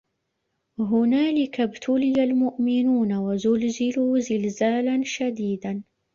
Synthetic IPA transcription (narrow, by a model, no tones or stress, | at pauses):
ɦʊnaːlɪkabt̪ʰʊlɪjalmʊʔmɪnuːnawazʊlzɪluːzɪlzaːlanʃad̪iːd̪an